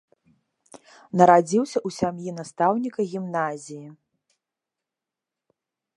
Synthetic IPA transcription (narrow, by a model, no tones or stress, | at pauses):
nɐɾad͡zʲiwsʲɐʔusʲamjinast̪awnʲikɐɣʲimnazʲiji